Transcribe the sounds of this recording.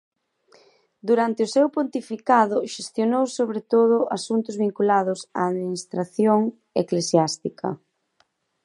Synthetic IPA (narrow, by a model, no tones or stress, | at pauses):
d̪uɾant̪ɪʊsewpont̪ifikaðʊʃest̪jonowsoβɾet̪oðʊʔasunt̪ʊzβiŋkulaðʊsa̰ːðminist̪ɾaθjoŋ | eklesjast̪ikɐ̰